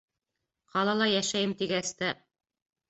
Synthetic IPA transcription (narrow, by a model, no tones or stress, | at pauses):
qɑlˠɑlˠɑjæʃæjɘmt̪iɡæst̪æ